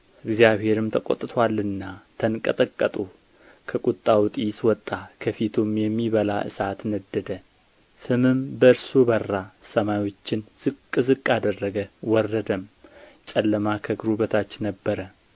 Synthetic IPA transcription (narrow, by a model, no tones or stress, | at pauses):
ʔɨɡzjaβɦe̞ɾɨmt̪ʰəkʼo̰t̪ʼːɨt̪ʰalːɨnːat̪ʰənkʼət̪ʼəkʼːət̪ʼu | kʰəkʼut̪ʼːawt̪ʼiswɔt̪ʼːakʰəfit̪ʰumjɛmːiβəla̰ʔɨ̰sat̪nəd̪ːəd̪ə | sɨmɨmbəɾsubərːasəmajwo̞t͡ʃːɪnz̥ɨkʼːɨzɨkʼːad̪ərːəɡəwɔrːəd̪əmt͡ʃʼɛlːəmakʰəɡɾubət̪ʰat͡ʃːnəbːəɾə